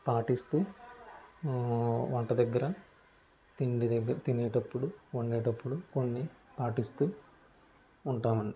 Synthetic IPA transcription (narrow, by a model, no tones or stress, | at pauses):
paːʈist̪uː | ʋɐɳʈɐd̪ɐɡːɐɾɐ | t̪iɳɖiɡɐt̪inɛːʈɐpːuɽuoɳɖeːʈɐpːuɽuko̞nːipaːʈist̪uː | ɳʈaːmɐni